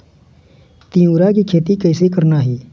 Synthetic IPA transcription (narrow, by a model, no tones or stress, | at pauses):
t̪ĩːũːɾakikʰeːt̪ikəːsekəɾnaːɦiː